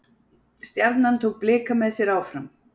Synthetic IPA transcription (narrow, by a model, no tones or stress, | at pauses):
st̪jaɾt̪nant̪ʰoːwk̚plɪːkamɛðsjɛɾaːwfɾam